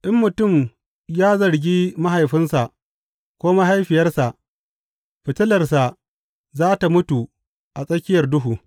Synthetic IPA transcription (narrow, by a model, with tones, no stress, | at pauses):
ʔɪ˦mːʊ˨tʊ˦˨m | jaː˦zɐ˨ɾɡʲiː˦ma˦ɦa˨jɸɪ˦nsa˨ʔ | kʷoː˦ma˦ɦa˦jɸɪ˨jɐ˦rsa˨ʔ | ɸɪ˨tɪ˦lɐ˨rsa˨ | zaː˦ta˨mʊ˦tu˨ | ʔa˨sʼɐ˦kʲɪ˦jɐ˨rdʊ˦ɦuː˨